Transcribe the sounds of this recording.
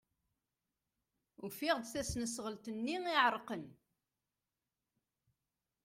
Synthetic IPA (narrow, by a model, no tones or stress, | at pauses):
ufiʁd̪θæsnəsʁəlt̪ənːiiʕəɾˤqən